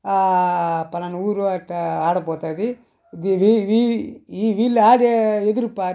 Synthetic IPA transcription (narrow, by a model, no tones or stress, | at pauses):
apːɐnɐnuːɾuaʈːaːɽɐpoːt̪aːd̪i | d̪iʋiʋiiːʋiːlːaːɽeed̪uɾupaːɾ